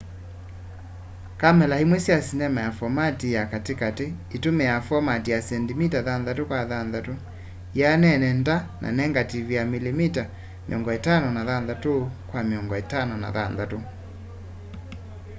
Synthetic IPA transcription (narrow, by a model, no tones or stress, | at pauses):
kamɛlahimwesiasinɛmajafɔmatijakatekateitomɛjafɔmatijasɛndimitaðanðatokwaðanðato | janɛnɛndanʔa̰nɛŋɡativijamilimita | mḭɔŋɡɔetanɔnaðanðatokwamiɔŋɡɔetanɔna̰ðanðato